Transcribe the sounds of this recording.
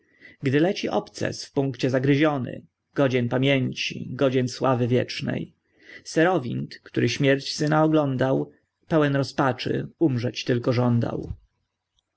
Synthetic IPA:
ɡd̪ɘlɛt͡ɕiʔɔ̰pt̪sɛ̰sfpuŋkt͡ɕɛzaɡɾɘʑɔnɘ̰ | ɡ̥ɔd͡ʑɛnpamʲjeɲt͡ɕḭɡɔd͡ʑɛnswavɘvʲjɛ̰t͡ʂnɛ̰j | sɛɾɔvʲint̪kt̪uɾʔɘɕmʲjɛɾt͡ɕsɘnaɔɡlɔnd̪aw | pɛwɛnɾɔspat͡ʂɘ̰umʐɛt͡ɕt̪ɘlkɔʐɔnd̪a̰w

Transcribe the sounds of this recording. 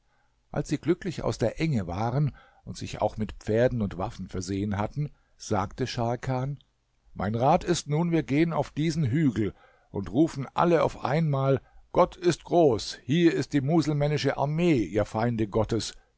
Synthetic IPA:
ʔa̰lsz̥iːɡlʏklɪça̰ʊsd̥eːɐʔɛŋəvaːʁən | ʊntz̥ɪ̰ça̰ʊxmɪtpp͡feːɐdn̩ʊntv̥afn̩fɛɐzeːənɦatn̩ | z̥aːktəʃaɐlkʰaːn | mʔaɪnʁaːtɪstnuːnviːɐɡeːəna̰ʊfd̥iːzn̩ɦyːɡl̩ | ʔʊntʁuːfn̩ʔa̰ləa̰ʊfʔa̰ɪnmaːlɡ̥ɔtʰɪstɡ̥ʁoːshiːɐɪst̚d̥iːmuːzl̩mɛnɪʃəʔa̰ɐmeːʔiːɐfaɪndəɡɔtəs

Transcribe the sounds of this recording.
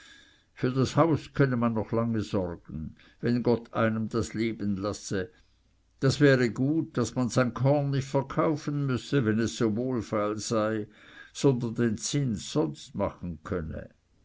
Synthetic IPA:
fyːɐdashaʊskʰœnəmanːɔχlaŋəzɔrɡ̥ən̩ | vɛnɡɔtʰa̰ɪnəmd̥asleːbənlasə | d̥asv̥ɛːʁəɡuːt̚d̥asmanz̥aɪnkʰɔɐnːɪçtfɛɐkʰaʊfən̩mʏsəvɛnɛsːoːvoːlfalz̥aɪ | z̥ɔndɐndeːnt͡sɪnsz̥ɔnstmaχn̩kʰœnə̰

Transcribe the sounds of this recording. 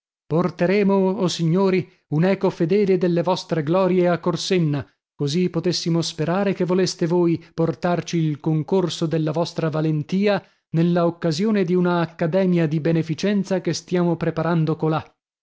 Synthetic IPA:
port̪eɾeːmoosiɲːoːɾi | unɛːkofed̪ɛːled̪elːevɔst̪ɾeɡlɔːɾjeakːorsenːa | kozipot̪esːimospeɾaːɾekevolest̪evoːjport̪art͡ʃiːlkoŋkorsod̪elːavɔst̪ɾavalent̪iːa | nelːaokːazjoːned̪iunaːkːad̪ɛːmjad̪ibenefit͡ʃɛnt̪sakest̪jaːmopɾepaɾand̪okola

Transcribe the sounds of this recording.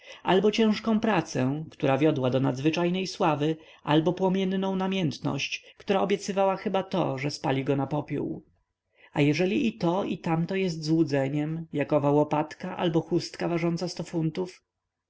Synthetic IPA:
albɔt͡ɕɛ̃w̃ʂkɔ̃w̃pɾat̪sɛ̃kt̪uɾavʲjɔd̪wad̪ɔnad̪zvɘt͡ʂajnɛjswavɘ | ʔalbɔpwɔmʲjɛnːɔ̃w̃namʲjɛnt̪nɔ̰ɕt͡ɕkt̪uɾaɔbʲjɛt̪sɘvawaxɘbat̪ɔ̰ʐɛspalʲiɡɔnapɔpʲjṵw | ajɛʐɛlʲiit̪ɔit̪amt̪ɔjɛst̪zwud̪zɛɲɛmjakɔvawɔpat̪kaʔa̰lbɔxust̪kavaʐɔnt̪sast̪ɔfunt̪uf

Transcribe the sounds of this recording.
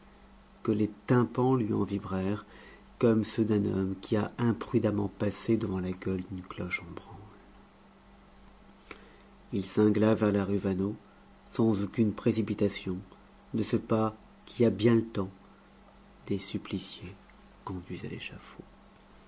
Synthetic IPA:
kəlet̪ɛ̃pɑ̃lɥiɑ̰̃vibʁɛʁ | kɔmsød̪ɛ̃nɔ̰mkʲiaɛ̃pχyd̪amɑ̃pased̪əvɑ̃laɡʲœld̪ynklɔʃɑ̃bʁɑ̃l | ilsɛ̃ɡlavɛʁlaʁyvano | sɑ̃zokʲynpχesipit̪asjɔ̃ | d̪əsəpa | kʲʰiabjɛ̃lət̪ɑ̃ | d̪esyplisje | kɔ̃d̪ɥiza̰lḛʃafo

